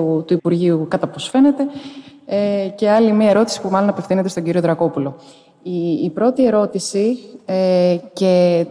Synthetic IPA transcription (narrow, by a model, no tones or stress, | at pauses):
ut̪uipuɾʝiukɐt̪ɐposfe̞ne̞t̪e̞ece̞ɐlimiɐe̞ɾo̞t̪i̥si̥pumɐlo̞nɐpefθinet̪est̪oɟiɾioðɾɐko̞pulo̞ | iːpɾo̞t̪ie̞ɾo̞t̪isi | ce̞